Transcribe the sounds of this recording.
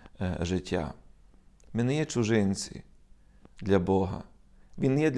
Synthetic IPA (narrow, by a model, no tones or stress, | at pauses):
ʒɪtʲʰːa̰ | mʲɪnɪjɛt͡ʃʊʒɪnʲt͡sʲḭ | d̪lʲɐbɔɦɐ̰ | ʋʲinjɛd̪lʲ